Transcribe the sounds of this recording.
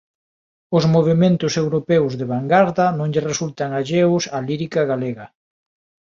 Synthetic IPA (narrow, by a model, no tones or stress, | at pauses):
ʊzmoβ̞emẽnt̪ʊsewɾopɛwzðeβaŋɡaɾðɐnõŋʎɪresult̪aŋaʒewsaliɾikaɣaleɣɐ